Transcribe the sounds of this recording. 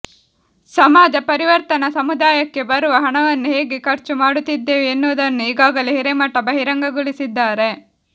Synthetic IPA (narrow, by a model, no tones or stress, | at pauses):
sɐmaːd͡ʒɐpɐɾiʋɐɾt̪ɐnɐsɐmud̪aːjɐkːe̞bɐɾuʋɐɦɐɳɐʋɐnːuɦe̞ːɡekɐɾt͡ʃumaːɽut̪ːid̪ːe̞ːʋenːuʋd̪ɐnːuiːɡaːɡɐleɦiɾemɐʈːɐbɐɦiɾɐŋɡɐɡuɭisid̪ːaːɾe̞